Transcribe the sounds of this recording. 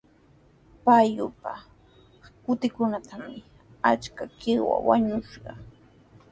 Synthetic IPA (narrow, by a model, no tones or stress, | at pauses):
pajʊpa | kʊt̪ɪkʊnat̪ʰamɪ | at͡ʃkakɪwa̰waɲʊʃɢɑ